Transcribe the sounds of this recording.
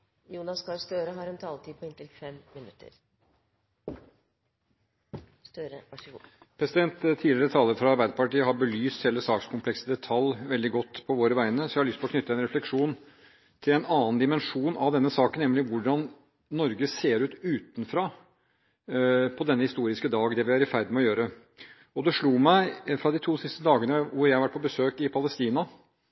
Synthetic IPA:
juːnɑskʰɑlst̪øːɾəɦɑɾɛnt̪ʰɑlt̪ʰiːpʰɔɪnt̪ɪlfɛmmɪnʉt̪ːə̰ɾ | st̪øɾə | pʰɾɛsɪd̪ɛnt̪t̪ʰːiːlɪɾət̪ʰɑːlːəɾfɾɑɑɾbæɪd̪əpɑʈiːəɦɑɾbəlyːssɛlːəsɑːkskʰʊmpʰlɛksəd̪ɛt̪ʰɑlːʋɛld̪ɪɡɔt̪ːpʰɔʋoːɾəʋæɪnəsɔɪhɑɭʏst̪ɪlɔkʰnʏt̪ːəɛnɾɛflɛkʂuːn | t̪ʰɪlɛnɑːənd̪ɪmɛnʂuːnɑʋd̪ɛnːəsɑːkənɛmlɪʋʊɖɑnː | ɔɾɡəseːɾʉːt̪ʉːt̪n̩fɾɑː | pʰɔd̪ɛnːəhɪst̪uːɾɪskəd̪ɑːɡd̪ɛʋɪæɾɪfæɾd̪ɪmɛɔjøːɾə | ɔd̪ɛʂɭuːmæɪfɾɑd̪ɪt̪ʰuːsɪst̪əd̪ɑːɡənəʋʊɾjæhɑɾʋæʈ̚pʰɔbəsøːkɪpʰɑləst̪iːnɑ

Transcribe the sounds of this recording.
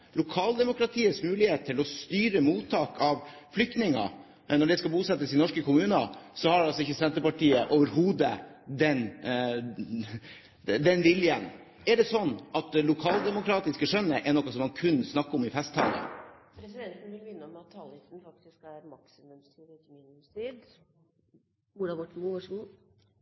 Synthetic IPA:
lʊkʰɑːld̪ɛmʊkɾɑt̪ʰiːət̪smʉːlɪheːt̪t̪ʰːɪlɔst̪yːɾəmuːt̪ʰːɑːkɑʋflʏk̚t̪nɪŋɑ̰ | nɔɖɛskɑbuːsɛt̪ːəsɪnɔʂkəkʊmʉːnəsɔhɑɖɑlsɔɪçːəsɛnt̪əɾpɑʈiːəʔoːʋəɾhuːd̪əd̪ɛn | d̪ɛnʋɪljən | ɛɖɛsɔnːʔɑt̪̚d̪ɛlʊkʰɑːld̪ɛmʊkʰɾɑːt̪ɪskəʂœnːəʔɛnɔkːɑsɔmːɑnkʰʉnːsnɑkːəɔmɪfɛst̪hɑ̰ŋɡ̪ə̰pʰɾɛsɪd̪ɛnt̪n̩ʋɪlʋɪnːəɔmɑt̪ʰːɑlɪt̪n̩fɑk̚t̪ɪskæɾmɑksɪmʉmst̪ʰiːd̪əkmiːnʉmst̪ʰiːd̪ | uɾɑbɔʈːɳ̩uʋɑʂɡuː

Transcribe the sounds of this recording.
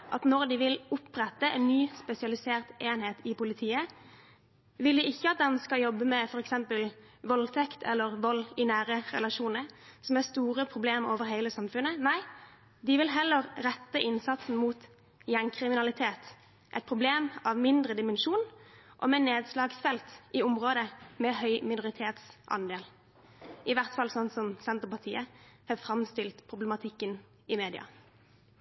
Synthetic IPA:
ʔɑt̪nɔʁd̪ɪʋɪlʊpʁɛt̪ːəʔɛ̰nːyːspɛsɪɑlɪseːʁt̪eːnheːt̪ɪpʊlɪt̪ʰiːə | ʋɪld̪ɪɪçːəɑt̪̚d̪ɛnskɑljɔbːəmɛfɔɾɛksɛmpəl | ʋɔlt̪ʰɛkt̪ʰɛ̰lːəʁʋɔlːɪnæːɾəʁɛ̰lɑʃuːnəsɔmæst̪uːʁəpʰɾʊbleːmoːʋəɾɦæɪləsɑmfʉnənæɪ | d̪ɪʋɪlɦɛlːəɾɾɛt̪ːəʔɪnsɑt̪sn̩muːt̪ | jænkʰʁɪmɪnɑlɪt̪ʰeːt̪ | ʔɛ̰ɪt̪̚pʰʁʊbleːmɑʋmɪnd̪ʁəd̪ɪmənʃuːnʔɔ̰mɛneːd̪slɑːɡsfɛlt̪ʔɪʊmʁoːd̪əmɛhœʏmɪnʊʁɪt̪ʰeːt̪sʔɑ̰nd̪eːl | ɪʋæʁt̪fɑlsɔnsɔmsɛnt̪əʁəpɑʁt̪ʰiːəhɑfʁɑmst̪ɪlt̪pʰʁʊblɛmɑt̪ʰɪkːən | ɪmeːd̪ɪɑ̰

